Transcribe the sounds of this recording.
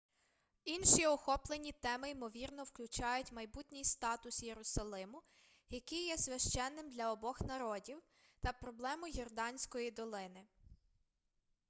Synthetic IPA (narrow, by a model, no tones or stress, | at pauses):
inʃiɔxɔplˠenʲit̪ɛmɪimɔʋʲirnɔwklʲʊt͡ʃɑjʊtʲmɐjbutʲnʲijst̪ɑt̪ʊsjeɾʊsɐlˠɪmʊ | jɐkijːɛsʲʋʲɐʃt͡ʃɛnːɪmd̪lʲɐɔbɔxnɐɾɔdʲiw | t̪ɐpɾɔblˠɛmʊjɔrd̪ɑnʲsʲkɔjid̪ɔlˠɪnɪ